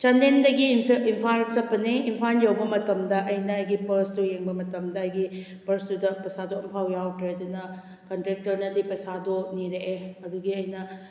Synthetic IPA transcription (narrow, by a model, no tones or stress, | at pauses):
t͡ʃandendɐɡimʰimpʰaɾt͡ʃɐpːɐniimpʰanjawbɐmɐtɐmdɐʔɐjnɐːjɡipɐɾstujeŋbɐmɐtɐmdɐɐjɡi | pɐɾsudɐpɐsadoimpʰawjawtɾedunɐ | kɐntɾek̚tɐɾnɐdipɐsadoniɾeʔːɐduɡiɐjnɐ